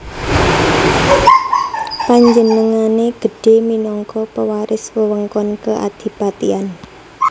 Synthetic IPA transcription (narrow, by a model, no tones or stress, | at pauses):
paɲd͡ʒənəŋaneɡ̥ə̤ɖ̥e̤minɔŋkɔpəwaɾɪswəwəŋkɔnkəʔa̰d̪̥i̤pat̪ian